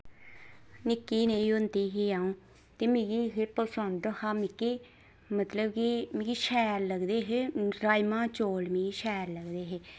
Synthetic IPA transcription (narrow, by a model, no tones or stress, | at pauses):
nɪkːiːnẽːiʊnd̪iːɦiaːũː | t̪eːmĩɡiːɦepəsənd̪haːmɪkːiː | mət̪ləbkimɪɡiʃɛːɾləɡd̪eːɦeːɾaːjmãːt͡ʃoːlmĩːiːʃɛːɾləɡd̪eːɦeː